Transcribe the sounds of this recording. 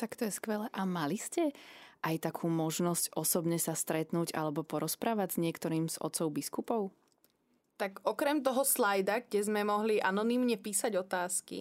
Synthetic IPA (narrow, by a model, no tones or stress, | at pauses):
t̪akt̪ɔjɛskʋɛlɛʔamaliscɛʔajt̪akʰuːmɔʒnɔscɔsɔbɲɛsast̪ɾɛt̪nuːɟa̰lɛbɔpɔɾɔspɾaːʋaɟz̥ɲɪɛkt̪ɔɾiːmz̥ɔ̰t̪sɔʊbiskupɔʊ | t̪aɡɔkɾɛmt̪̬ɔɦɔslajd̪aɡɟɛzmɛmɔɦliʔa̰nɔnimɲɛpiːsaɟɔt̪aːskḭ